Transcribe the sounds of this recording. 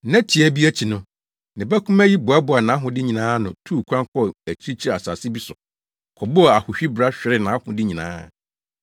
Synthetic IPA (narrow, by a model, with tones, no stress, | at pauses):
nã˦tʰi˨æ˨bi˦æ˦t͡ɕʰi˨nʊ̃˦ | nɪ̃˨bæ˦kʰũ˦mæ˦ji˦bʊ˨a˦bʊ˨˦a˨nã˨˦ɦʊ̃˨dɪ˦ɲĩ˨nãː˦nʊ̃˨tʰuː˦˨kʰʷã˦ŋkɔ˦æ˨t͡ɕʰi˦t͡ɕʰi˦˨a˨sa˨sɪ˦bi˦sʊ˨ | kʰɔ˨bʊ˦˨a˨hʊ˨ɕᶣi˦bɾa˦ɕᶣɪ˨˦ɾɪ˦nã˨a˦hʊ̃˨dɪ˦ɲĩ˨nã̰ː˦